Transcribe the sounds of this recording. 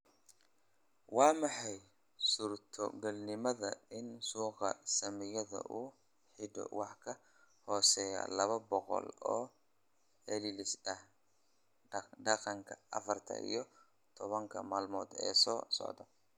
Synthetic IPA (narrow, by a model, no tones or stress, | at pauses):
wɑːmɑħɑj | sʊrt̪ʰɔɡɐlnɪmɐðɐɪnsuːqɑsɐmɪjɐðɐ̰ʔuː | ħɪɖɔ̰wɑħkʰɐ | hɔːsɛːjɐ̰lɐβɐbɔqɔ̰lɔː | ɛlɪlɪsɐh | ɖɑqɑŋkʰɐɐ̰fɐrt̪ʰɐ̰ʔḭjɞ | t̪ʰɔβɐŋkʰɐ̰maːlmɔːd̪ɛ̰ːsɔːsɔ̰ʕd̪ɔ